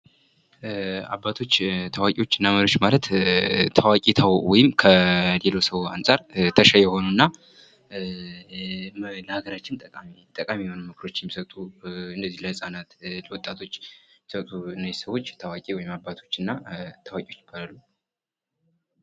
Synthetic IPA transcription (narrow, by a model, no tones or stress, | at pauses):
a̰bat̪ʰo̞t͡ʃːt̪ʰawakʼiwo̞t͡ʃːɨnːaməɾijot͡ʃːmalət̪t̪ʰəwakʼit̪ʰəwwɔjɪmkʰəlelosəwa̰nsʼaɾt̪ʰəʃajɛho̞nunːa | ləhaɡəɾat͡ʃːɪnt̪ʼəkʼt̪ʼəkʼamijɛho̞nəmɨkʰɾo̞t͡ʃːjɛmːisət̪ʼuɨnd̪əzːihlajsʼanat̪ləwɔt̪ʼːat̪ʰo̞t͡ʃːmisət̪ʼuɨnːajsəwo̞t͡ʃːt̪ʰawakʼiwɔjɪmabːat̪ʰo̞t͡ʃːɨnːat̪ʰawakʼiot͡ʃːɪbalalːu